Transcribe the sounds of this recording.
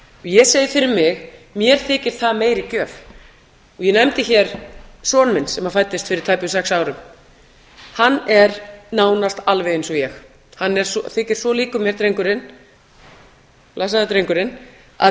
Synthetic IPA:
ɔjɛseːjɪfɪɾɪɾmɪɣmjɛɾ̥θɪːcɪɾ̥θaðmeːjɾicœːf | ɔjɛnɛmt̪ɪçɛɾ̥sɔːnmɪnsɛmafajt̪ːɪst̪fɪɾɪɾ̥t̪ʰajpʏs̬ɛksaːwɾʏm | hanːɛɾnaːwnast̪alvɛejnsɔjɛx | hanːɛɾ̥sɔθɪːcɪɾ̥svɔliːkʏmjɛɾt̪ɾejŋkʏɾɪn | lasaðat̪ɾejŋkʏɾɪn | a̰

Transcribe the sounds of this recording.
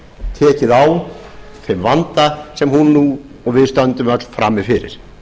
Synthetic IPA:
t̪ʰɛːcɪðaw | θɪmvant̪asɛmhunːu | ɔɣvɪðst̪œnt̪ʏmœt̪l̥fɾa̰mːɪfɪɾɪ̰ɾ̥

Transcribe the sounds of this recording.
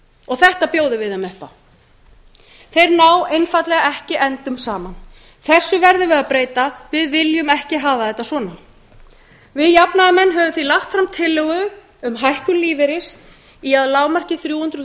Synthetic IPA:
ɔɣθɛht̪apjoːwðɪvɪðamɛhpa | θejɾnaːwejnfat̪lɛɣaɛhcɪʔɛnt̪ʏmsaːman | θɛsːʏvɛɾðʏvɪðaðpɾeːjt̪avɪðvɪljʏmɛhcɪɦaːvaθɛht̪ːasvɔːna | vɪðjapnaðamɛnːɦɛːvʏmθvilaxt̪fɾamt̪ʰɪlːʏɣʏ | ʏmɦajhkʏliːvɪɾɪs | iaðlaːwmar̥cɪθɾjuːhʏnt̪ɾʏ

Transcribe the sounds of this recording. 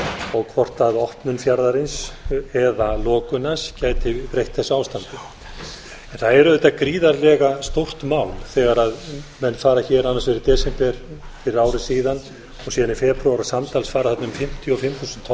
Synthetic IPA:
ɔɣkʰvɔr̥t̪aðɔhpnʏnfjaɾðaɾɪnsɛðalɔːkʏnascaːjt̪ɪpɾejht̪θɛsːaːwst̪ant̪ʏ | ɛnθaðɛɾʏðeɛjt̪akɾiːðaɾlɛɣast̪owr̥t̪maːwlθɛɣaɾaðmɛnːfaːɾaçɛːɾanːasvɪɾɪɾt̪ɛːsɛmt̪ɛɾ̥fɪɾɪɾaːwɾɪsiːðan | ɔɣsiːðanifɛpɾuaɾasamt̪alsfaːɾaθat̪nʏmfɪm̥t̪ʰjɔɔfɪmːθuːsʏnt̪ʰ

